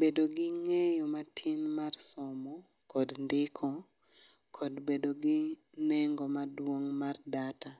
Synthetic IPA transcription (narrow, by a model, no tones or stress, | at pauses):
bedoɡɪŋɛjɔmatʰɪnmarsɔmɔ | kɔdndɪkʰɔ | kʰɔdbedoɡɪ | nɛŋɡɔmadwoŋmardata